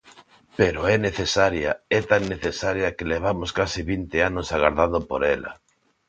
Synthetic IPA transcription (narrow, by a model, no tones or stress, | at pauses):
peɾoɛneθesaɾja̰ɛt̪aŋneθesaɾjɐkeleβ̞amʊskasɪβint̪eanʊsaɣaɾðaðʊpo̰ɾɛla̰